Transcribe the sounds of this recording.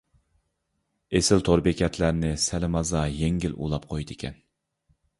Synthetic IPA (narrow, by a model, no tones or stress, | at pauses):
esɪlt̪ʰoɾbɪkʲɛt̪ʰlæɾnɪsælɪmɑzɑjeŋɡʲɪlʔṵlˠɑp̚qʰojd̪ɪkʲʰɛ̰n